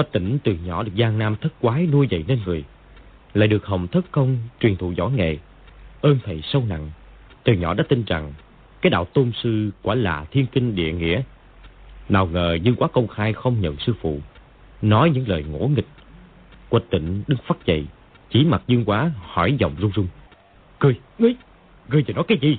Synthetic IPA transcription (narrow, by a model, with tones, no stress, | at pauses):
kwə˨˩t̚t̪i˧˩ŋ̟t̪ɨ˨˩ɲɔ̰˧˩ɗɨ˨˩ək̚zaː˧ŋnaː˧mt̪ʰə˦˥t̚kwaː˨˦nu˧əjzə̰˧˨jne˧nŋɨ˨˩əj | laː˧˨jɗɨ˨˩ək̚ɦə˨˩wŋ͡mt̪ʰə˦˥t̚kə˧wŋ͡mt͡ɕwi˨˩nt̪ʰṵ˧˨zɔ̰˧˥˦ŋɛ̰˨˩ | ʔəː˧nt̪ʰə˨˩jsə˧wna̰˧˨ŋ | t̪ɨ˨˩ɲɔ̰˧˥ɗa̰ː˧˥t̪i˧nza˨˩ŋ | kaː˨˦jɗa̰ː˧˨wt̪o˧msɨ˧kwaː˧˩la̰ː˨˩t̪ʰi˧ənkï˧ŋ̟ɗḭ˧˨əŋḭ˧˥ə | naː˨˩wŋəː˨˩zɨ˧əŋkwaː˨˦kə˧wŋ͡mxaː˧jxə˧wŋ͡mɲə̰˧˨nsɨ˧fṵ˧˨ | nɔ˨˦jɲɨ̰˧˥ŋləː˨˩jŋo̰˧˥ŋï˨˩k̚ | kwə˨˩t̚t̪ḭ˧˨ŋ̟ɗɨ˨˦ŋfaː˦˥t̚t͡ɕə̰˧˨˩j | t͡ɕi˨˦ma˨˩t̚zɨ˧əŋkwaː˨˦hɔ˧˩jzɔ̰˧˨wŋ͡mzʊ˧ŋ͡mzʊ˧ŋ͡m | kɨ˧əj | ŋɨ˨˧j | kɨ˧jt̪i˨˩nɔ˨˦jkaː˨˦jzi˧˨˩